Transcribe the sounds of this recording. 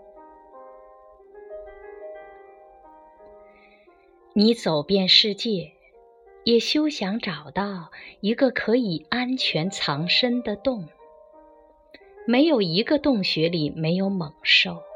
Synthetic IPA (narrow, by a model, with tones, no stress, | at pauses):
ni˧˥t͡so˨˩ʊpjɛ˥˧nʂɻ̩˥˧t͡ɕjɛ˥˩ | jɛ˨˩ɕjo˥ʊɕjɑ˧˥ŋʈ͡ʂɑ˨˩ʊt̪ɑ˥˩ʊi˧˥ɡə˧kʰɤ˧˥i˨˩a˥nt͡ɕʰɥɛ˧˥nt͡sʰɑ˧˥ŋʂə˥nd̪ə˨t̪ʊ˥˩ŋ | me˧˥ɪjo˨˩ʊi˧˥ɡə˧t̪ʊ˥˩ŋɕɥɛ˧˥li˨˩me˧˥ɪjo˧˥ʊmɤ˨˩ŋʂo˥˩ʊ